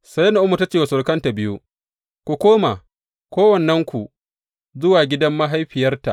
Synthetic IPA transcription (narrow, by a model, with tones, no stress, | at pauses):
sɐ˦jɐ˦na˨ʔʊ˦mːu˨ta˦t͡ʃeː˨wa˨sʊ˨rkɐ˦nta˨bɪ˦ju˦ | kʷu˨kʷoː˦ma˨ | kʷoː˦wɐ˨nːɐ˦ŋkʷu˨ | zʊ˦waː˨ɡʲɪ˦dɐ˦mːa˦ɦa˦jɸɪ˨jɐ˦rta̰˨ʔ